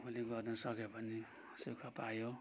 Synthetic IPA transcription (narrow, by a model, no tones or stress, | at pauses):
pʰuleɡʌrnʌsʌkepʌni | sukʰapajo